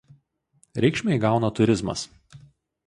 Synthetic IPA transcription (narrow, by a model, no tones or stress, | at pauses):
ɾʲɛɪkʃʲmʲɛɪɡɑˑʊnɐt̪ʊɾʲɪzmɐ̰s